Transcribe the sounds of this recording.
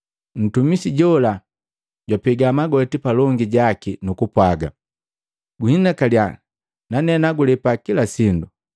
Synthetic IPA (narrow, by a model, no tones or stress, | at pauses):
n̩tumisiɟɔla | ɟwapɛɡamaɡɔtipalɔŋɡiɟakinukupwaɡa | ɡuhinakalja | nanɛnaɡulɛpakilasindu